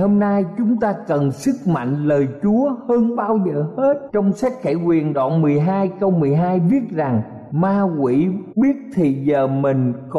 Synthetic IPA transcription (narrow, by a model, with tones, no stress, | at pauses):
ho˧mnaː˧jt͡ɕʊ˨˦ŋ͡mt̪aː˧kə˨˩nsɨ˦˥k̚ma̰˧˨ŋ̟ləː˨˩jt͡ɕu˨˦əhəː˧nɓaː˧wzəː˨˩he˦˥t̚t͡ɕɔ˧wŋ͡msa˦˥t̚xa˧˥jkwi˨˩ənɗa̰ː˧˨nmɨ˨˩əjɦaː˧jkə˧wmɨ˨˩əjɦaː˧jɓi˦˥ət̚za˨˩ŋ | maː˧kwḭ˧˩˥ɓi˦˥ət̚t̪ʰi˨˩zəː˨˩mï˨˩ŋ̟k